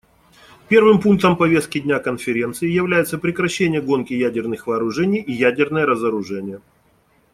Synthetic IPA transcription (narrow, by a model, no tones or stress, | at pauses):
pʲe̞rvɨmpunk̚t̪əmpɐvʲe̞st̪̚kʲɪdʲnʲakənfʲɪɾʲe̞nt̪sɨɪjɪvlʲæjɪt̪səpɾʲɪkɾɐɕːenʲɪjəɡo̞nkʲɪjædʲɪrnɨxvɐːɾʊʐɛnʲɪjijædʲɪrnəjəɾəzəɾʊʐɛnʲɪjə